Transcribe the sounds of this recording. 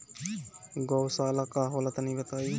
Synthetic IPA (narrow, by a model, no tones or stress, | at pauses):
ɡowsaːlakaɦoːlat̪nĩbət̪aːju